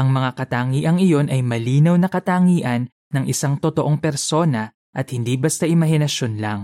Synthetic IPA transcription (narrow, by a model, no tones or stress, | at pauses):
ʔɐŋmɐŋakɐt̪aːŋiːʔɐŋɪjo̞nʔɐjmɐliːnɐwnɐkɐt̪aːŋiːʔɐnːɐŋʔɪsaŋt̪ot̪oʔo̞ŋpɛɾso̞ːnɐ | ʔɐt̪̚hɪnd̪ibɐst̪aʔɪmɐɦɪnɐʃo̞nla̰ŋ